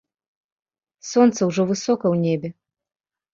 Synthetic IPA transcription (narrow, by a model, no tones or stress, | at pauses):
sɔnt̪sɐwʐɔvɨsɔkɐwnʲebʲɛ